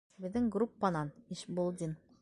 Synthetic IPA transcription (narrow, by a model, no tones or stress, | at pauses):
bɪðɘŋɡrupːɑnɑniʃbolˠd̪ʲin